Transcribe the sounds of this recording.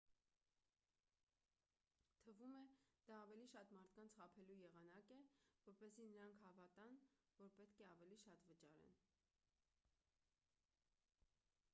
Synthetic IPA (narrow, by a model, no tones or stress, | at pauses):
t̪ʰəvumɛd̪̥ɑːvɛliʃɑt̪mɑɾt̪ʰkɑnt͡sʰχɑpʰɛlujɛʁɑnɑkɛvɔɾpɛzinəɾɑŋkʰhɑvɑt̪ɑn | vɔɾpɛt̪kʰɛɑvɛliʃɑt̪vət͡ʃɑɾɛ̰n